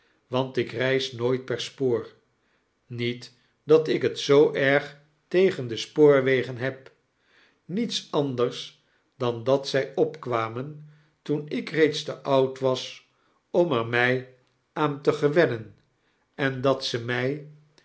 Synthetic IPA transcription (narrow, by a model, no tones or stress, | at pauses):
ʋɑntɪkrɛjsnoːjt̚pɛɹspoːɹ | nit | dɑtɪkɦətsowʔɛɹχ | tejχəndəspoːɹʋejχənɦɛp̚ | nitsɑndəɹs | d̥ɑndɑtsɛjɔpkʋaːmən | tunɪkrejtstəʔɑwtʋɑs | ɔmɛɹmɛj | ʔaːntəχəʋɛnən | ɛndɑtsəmɛj